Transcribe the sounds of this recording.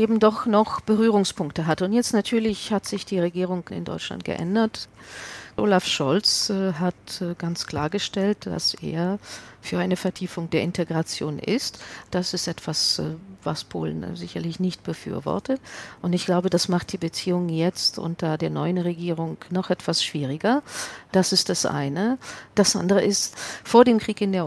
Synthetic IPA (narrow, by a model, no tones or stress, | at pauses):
ʔeːbm̩dɔχnɔχb̥əʁyːʁ̞ʊŋspʰʊŋktəɦatʊntjɛt͡stnatʰyːɐlɪçhatz̥ɪçd̥iːʁeɡiːʁ̞ʊŋɪ̰ndɔ̰ʏt͡ʃla̰nt̚ɡ̥ə̰ʔɛ̰ndɐt | ʔo̰ːlafʃɔlt͡sːɦatɡ̥ant͡skl̥a̰ːɐɡəʃtɛltd̥a̰sḛːɐfyːɐʔaɪnəfɛɐtʰiːfʊŋd̥eːɐɪntʰeɡʁat͡sjoːnʔɪ̰std̥asɪstʔɛtv̥asvaspʰo̰ːlən̩zɪçɐlɪçnɪçt̚b̥əfy̰ːɐvɔ̰ɐtəʔʊntɪçɡ̥laʊbədasmaχt̚d̥iːbət͡siːʊŋjɛt͡stʔʊ̰ntɐdeːɐnɔʏənʁeɡiːʁ̞ʊŋnɔχʔɛtv̥asʃv̥iːʁɪɡɐd̥asɪst̚d̥asʔa̰ɪnəd̥asʔa̰ndəʁəʔɪstfoːɐdeːmkʁ̥iːkɪndeːɐ